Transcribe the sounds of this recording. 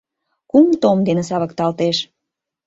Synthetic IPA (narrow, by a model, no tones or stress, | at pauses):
kumt̪omd̪enĕs̬ɑβə̆kt̪ɑlt̪eʃ